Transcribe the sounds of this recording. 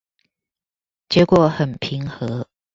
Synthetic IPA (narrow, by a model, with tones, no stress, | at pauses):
t͡ɕjɛ˨˥kwɔ˨˩˦xə˨˩npʰi˧˦ŋxɤ˧˦